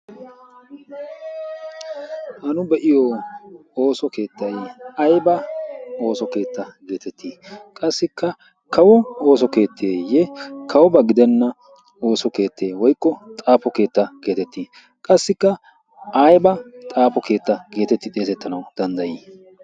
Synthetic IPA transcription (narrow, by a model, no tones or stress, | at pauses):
hɐnʊbɛʔɪjɔ | oːsɔke̞ːt̪ːɐjɐjbɐo̞ːsɔke̞ːt̪ːɐɡe̞ːt̪ɛt̪ʰːiːkʼɐsːɪkːɐ | kɐwɔo̞ːs̬ɔke̞ːt̪ʰːeːjɛkʰɐwɔbɐɡɪd̪ɛnːɐ | o̞ːsɔke̞ːt̪ʰːeːwɔjkːɔt̪ʼaːpɔke̞ːt̪ːɐke̞ːt̪ɛt̪ːiː | kʼɐsːɪkːɐ | ʔajbɐt̪ʼaːpɔke̞ːt̪ːɐɡe̞ːt̪ɛt̪ːɪd̪e̞ːsɛt̪ːɐnɐwd̪̥ɐnd̪ɐjiː